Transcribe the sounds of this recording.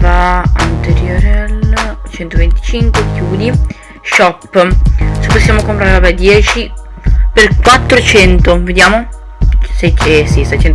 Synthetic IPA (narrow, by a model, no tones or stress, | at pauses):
vaant̪eɾjoɾelt͡ʃɛnt̪ovent̪i̥t͡ʃiŋkwekʰjuːd̪i | ʃɔpːsopːosːjaːmokompɾaɾevabɛd̪jɛːt͡ʃiperkwat̪ːɾot͡ʃɛnt̪oved̪jaːmo | sɛesisɛjt͡ʃɛnt̪